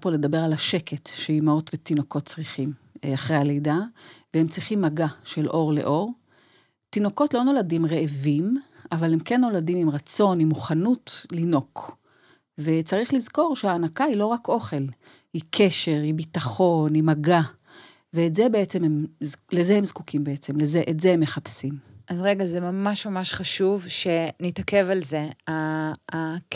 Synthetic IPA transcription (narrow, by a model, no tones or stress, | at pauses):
pole̞dabe̞ʁalaʃe̞kʰetʃeimaotvetino̞ko̞tt͡sʁiχim | aχʁejale̞jdavehemt͡sʁiχimːaɡaʃe̞lʔo̞ʁle̞̰ʔoʁ | tino̞ko̞tlo̞no̞ladimʁeʔːvimavalemkenːo̞ladimimʁat͡so̞nimuχanutlino̞k | vet͡saʁiχlizko̞ʁʃeaːnakailoʁakʔo̞χe̞l | ikʰeʃe̞ʁibitaχo̞nimaɡa | veːtzebe̞et͡se̞mhemzlezehemzkukimbeet͡semlezeʔetzehemːeχapsimʔazʁeɡazemamaʃmamaʃχaʃuvʃe̞nitakevalzeaː